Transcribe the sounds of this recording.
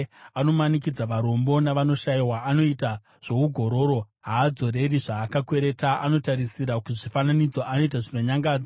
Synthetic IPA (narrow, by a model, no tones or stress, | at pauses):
ano̞manik̬id͡zaʋaɾo̞mbo̞naʋano̞ʃajiwaʔːno̞ita | ʐ̥o̞uɡʱo̞ɾo̞ɾo̞ | ɦaːd͡zo̞ɾe̞riʐaːkakwe̞ɾe̞taʔano̞taɾisiɾakuʐifananid͡zo̞ʔano̞itaʐino̞ɲaŋɡaːd͡za